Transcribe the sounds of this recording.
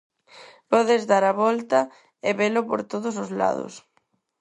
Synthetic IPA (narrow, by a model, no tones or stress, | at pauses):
pɔðɪzðaɾaβɔlt̪ɐ | ɪβelʊpo̰ɾt̪oðʊs̬ozla̰ðʊ̰s